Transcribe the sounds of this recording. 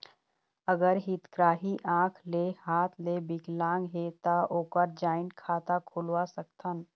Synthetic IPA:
əɡəɾɦit̪kɾaːɦiʔãːkʰlehaːt̪ʰlebɪklãːŋɡɦet̪aoːkəɾd͡ʒaːɪnkʰaːt̪akʰʊlwasək̚t̪ʰən

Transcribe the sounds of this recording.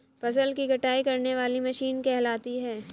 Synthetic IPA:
pɐsəlkiɡʱɐʈaːikɐɾneʋaːlimɐʃiːnkɛɦlaːt̪iɦɛː

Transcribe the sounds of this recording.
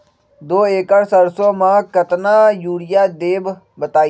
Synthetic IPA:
d̪oːeːkəɽsəɾsõːmãːkət̪naːjuːɽɪjaːd̪eːb | bət̪aːi

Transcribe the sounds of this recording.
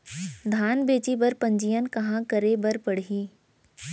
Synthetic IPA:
d̪ʱaːnbeːt͡ʃibɐɾpɐ̃ɲd͡ʒijənkɐɦãkəɾebɐɾpəɽ̤ɦiː

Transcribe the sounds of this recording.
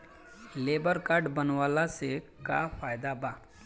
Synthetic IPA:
lebəɾkaɾɖbənʋaːlase | ka̰faːjd̪abaː

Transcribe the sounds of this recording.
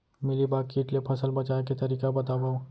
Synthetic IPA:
mɪlibaːkiːʈlepʰɐsəlbɐt͡ʃaːket̪ɐɾiːkabɐt̪aːbaːõ

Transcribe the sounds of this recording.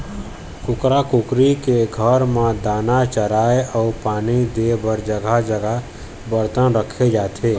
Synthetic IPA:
kukɾakukɾikeɡʱəɾmed̪anat͡ʃəɾaeaupanid̪ebəɾd͡ʒəɡʱad͡ʒəɡa | bəɾt̪ənɾəkʰed͡ʒat̪ʰe

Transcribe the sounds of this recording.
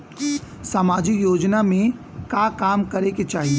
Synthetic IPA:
samaːd͡ʒɪkjoːd͡ʒnamẽ | kaːkaːmkɐɾeket͡ʃaːɦie

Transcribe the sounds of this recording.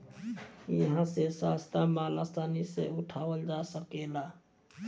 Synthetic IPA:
jəɦãsesast̪ʰamalast̪ʰaniseuʈʰawəld͡ʒasəkela

